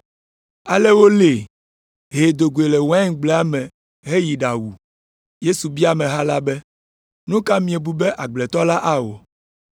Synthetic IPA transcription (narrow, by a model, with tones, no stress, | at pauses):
a˨le˦wo˦le˨ | ɦe˨d̪o˨ɡu˨e˨lɛ˨wã˦ŋ˨ɡ͡blɛ˦a˦mɛ̃˨ | ɦe˦ji˨ɖa˨wu˨ | je˦su˨bi˦a˦mɛ̃˨ɦa˦la˦bɛ˦ | nũ˦ka˦mĩ˨e˨bu˨bɛ˦ʔa˨ɡ͡blɛ˨t̪ɔ˦la˦ʔa˦wo˨